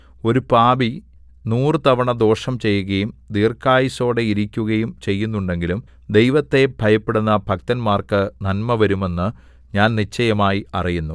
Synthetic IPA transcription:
o̞ɾupaːbi | nuːrɨt̪ɐʋɐɳɐd̪o̞ːʂɐmt͡ɕe̞jːuɣɐjumd̪iːrkːaːjiso̞ːɽeiɾikʲːuɣɐjumt͡ɕe̞jːunːuɳɖe̞ŋɡilum | d̪e̞jʋɐt̪ːe̞bʱɐjɐpːeɽunːɐbʱɐk̚t̪ɐnmaːrkɨnɐnmɐʋɐɾume̞nːɨ | ɲaːnnit͡ɕːɐjɐmaːjiɐrijunːu

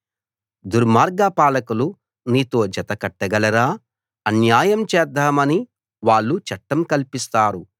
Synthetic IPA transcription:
d̪uɾmaːɾɡapaːlɐkulu | niːt̪o̞ːd͡ʒɐt̪ɐkɐʈːɐɡɐlɐɾaː | ɐnjaːjɐmt͡ʃɛːd̪ʱːaːmɐni | ʋaːɭːut͡ʃɐʈːɐmkɐlpist̪aːɾu

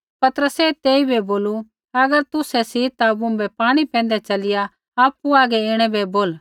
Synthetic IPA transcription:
pɐt̪əɾəsɛt̪eːibɛboːlu | ɐɡəɾt̪ʊsɛsit̪abũbɛpaːɽ̃ipɛ̃ːnd̪ɛt͡ʃɐlɪja | aːpːuaːɡɛeːɽ̃ɛbɛboːl

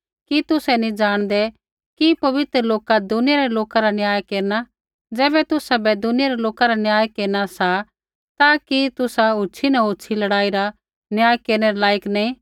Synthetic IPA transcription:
kit̪ʊsɛnĩd͡ʒaːɽ̃d̪ɛ | kipɐʋɪt̪ɾəloːkad̪ʊnɪjaɾɛloːkaɾanjaːjkeːɾna | d͡zɛːbɛt̪ʊsabɛd̪ʊnɪjaɾɛloːkaɾanɪjaːjkeːɾnasa | t̪akit̪ʊsaɦʊt͡ʃʰinɐɦʊːt͡ʃʰilɐɽaːiɾa | njaːjkeːɾnɛɾɛlaːjəknaĩ

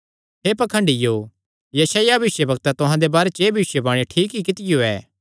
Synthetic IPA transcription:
ɦeːpɐkʰə̃ɳɖɪjo | jɐsaːjabɐɪʃjəbɐk̚t̪ɛt̪ʊɦãd̪ebaːɾet͡ʃeːbʱɐɪʃjebaːɽ̃eʈʰiːkɦikɪt̪ɪjoɛː

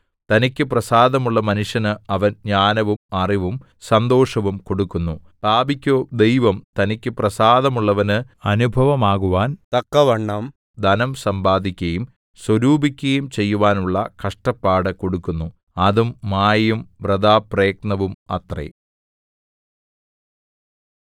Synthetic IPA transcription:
t̪ɐnikʲːɨprɐsaːd̪ɐmuɭːɐmɐnuʂjɐnɨɐʋɐnɲaːnɐʋumɐriʋum | sɐnd̪o̞ːʂɐʋumko̞ɽukːunːupaːbikʲːoːd̪e̞jʋɐmt̪ɐnikʲːɨprɐsaːðɐmuɭːɐʋɐnɨɐnubʱɐʋɐmaːɣuʋaːnt̪ɐkːɐʋɐɳːɐm | d̪ɐnɐmsɐmbaːd̪ʱikʲːɐjum | swɐɾuːbʱikʲːɐjumt͡ɕe̞jːuʋaːnuɭːɐkɐʂʈɐpːaːɽɨko̞ɽukːunːu | ɐðumːaːjumʋrɐd̪aːpreːk̚nɐʋumɐ̰t̪rḛ

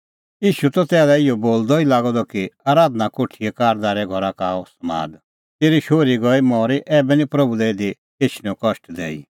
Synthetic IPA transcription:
jiːʃut̪ɔt̪ɛːlɛɪjɔboːld̪ɔilaːɡɔd̪ɔkiaːɾaːd̪nakoːʈʰiɛkaːɾd̪aːɾɛɡʱɔɾakaːɔsɐma̰ːd̪ | t̪eːɾiʃoːɾiɡɔimɔːɾiʔɛːbɛnĩpɾɐbulɛed̪i | eːt͡ʃʰnɛ̃ɔ̃kɔʃʈd̪ɛ̰ːḭ

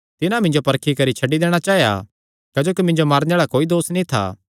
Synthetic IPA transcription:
t̪ɪnãmɪ̃nd͡ʒopɐɾkʰikɐɾit͡ʃʰɐɖːid̪eːɽ̃at͡ʃaːɦja̰ | kɛːd͡ʒoːkimɪ̃nd͡ʒomaːɾnaːɭakoːid̪oːsnĩt̪ʰa̰ː

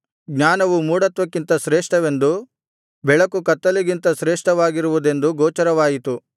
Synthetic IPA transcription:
ɡɲaːnɐʋumuːɽɐt̪ʋɐkːint̪ɐsɾeːʂʈɐʋe̞nd̪u | bɛɭɐkukɐt̪ːɐliɡint̪ɐsɾeːʂʈɐʋaːɡiɾuʋud̪e̞nd̪uɡɔːt͡ʃɐɾɐʋaːjit̪u

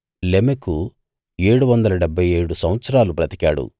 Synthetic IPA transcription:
lemeku | e̞ːɽuʋɐnd̪ɐlɐɖebʱːɐje̞ːɽusɐwʋɐt̪sɐɾaːlupɾɐt̪i̥kaːɽṵ

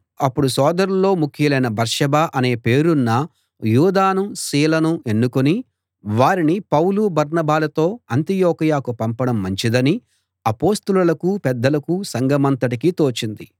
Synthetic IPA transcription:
ɐpːuɽusɔːd̪ɐɾulːo̞ːmukʰjɐlɐjnɐbɐɾʂɐbaːʔɐne̞ːpe̞ːɾunːɐ | juːd̪aːnusiːlɐnuʔe̞nːukoni | ʋaːɾinipɐwlubɐɾnɐbaːlɐt̪o̞ːɐnt̪ijoːkɐjaːkupɐmpɐɽɐmːɐɲt͡ʃid̪ɐni | ɐpo̞ːst̪ululɐkupɛd̪ːɐlɐkusɐŋɡɐmɐnt̪ɐʈikit̪o̞ːt͡ʃind̪i

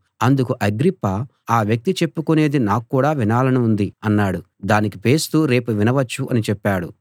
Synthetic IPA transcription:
ɐnd̪ukuʔɐɡɾipːɐ | aːʋjɐk̚t̪it͡ʃe̞pːukune̞ːd̪inaːkkːuːɽaːʋinaːlɐnuund̪iɐnːaːɽu | d̪aːnikipe̞ːst̪uːɾe̞ːpuʋinɐʋɐt͡ʃːuʔɐnit͡ʃɛpːaːɽṵ

